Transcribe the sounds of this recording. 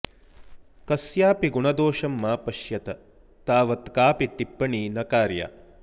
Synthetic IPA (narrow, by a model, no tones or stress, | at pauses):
kɐsjaːpiɡuɳɐd̪oːʂɐmːaːpɐʃjɐt̪ɐ | t̪aːʋɐt̪kaːpiʈ̪ipːɐɳiːnɐkaːɾja̰ː